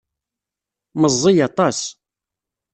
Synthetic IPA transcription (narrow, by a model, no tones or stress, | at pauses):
məzˤːijɑt̪ˤɑs